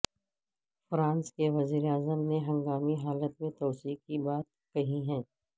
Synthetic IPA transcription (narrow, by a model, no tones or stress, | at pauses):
fɾãːnskeʋɐziːɾeaːzəmneɦɐ̃ŋɡaːmiɦaːlət̪mẽt̪ɔːsiːkkibaːt̪̚ | kɐɦiɦɛ̃ː